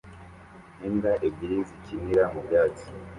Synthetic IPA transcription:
neːndaʔebiɾiziciniɾamubjaːti̥

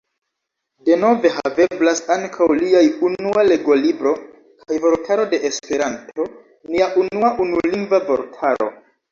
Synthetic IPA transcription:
de̞no̞ve̞ha̰ve̞blasaŋkʰawliajunuale̞ɡo̞libɾo̞ | kʰajvo̞ɾtʰaɾo̞de̞ʔespe̞ɾantʰo̞ | niaʔunuaʔunuliŋɡvavo̞ɾtʰaɾo̞̰

